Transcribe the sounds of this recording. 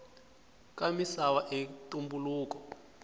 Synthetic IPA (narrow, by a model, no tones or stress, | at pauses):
kʼamisawaʔetumbuluːkɔ